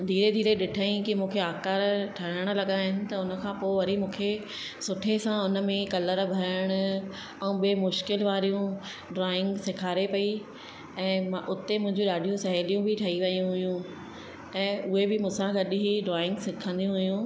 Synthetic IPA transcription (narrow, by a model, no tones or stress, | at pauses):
d̪ʱiːɾed̪ʱiːɾeɗɪʈʰəĩkimũːkʰeaːkaːɾʈʰɐəɽ̃ʊ̆lɐɠaɦɪnɪ̆t̪ɐʊnə̆kʰãːpoːɪʋɐɾimũːkʰe | sʊʈʰesãʊnə̆mẽkɐləɾbʱɐɾəɽ̃ʊ̆ | ɛũɓeːmʊʃkɪlʋaːɾijũ | ɖɾaːɪ̃ŋɡsɪkʰaːɾepɐi | ɛ̃ːmaʔʊt̪emʊ̃ɦɪ̃ɲd͡ʑũɗaːɖʱijũsɐɦeːlijũbʱɪʈʰɐiʋɐijũɦʊjũ | ɛ̃ːʔʊɦebɪmũːsãɡɐɗɦiɖɾaːɪ̃ŋɡsɪkʰə̃nd̪ijũɦʊjũ